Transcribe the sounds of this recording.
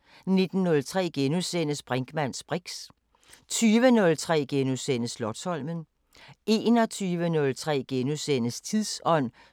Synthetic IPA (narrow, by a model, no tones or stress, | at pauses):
ne̝d̥n̩ːɔ̽lt͡sʰʁɛ̰ːɡ̥enusenəsb̥ʁeŋɡ̥mæn̰sb̥ʁiɡ̥s | t͡sʰyːʋənɔ̽lt͡sʰʁɛ̰ːɡ̥enusen̰əslɒ̥shɒ̽l̰mən | e̝ːnɒ̽t͡sʰyːʋənɔ̽lt͡sʰʁɛ̰ːɡ̥enusenəst͡sʰiðˠsɒ̽n̰